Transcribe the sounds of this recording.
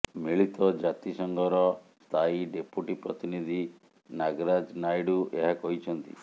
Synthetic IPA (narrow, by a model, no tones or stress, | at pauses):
miɭit̪ɔd͡ʒat̪isɔŋɡʱɔɾɔst̪ʰaiɖepuʈipɾɔt̪inid̪ʱi | naɡɾad͡ʒnajɽuʔeɦakɔɦit͡ʃʰɔnt̪ḭ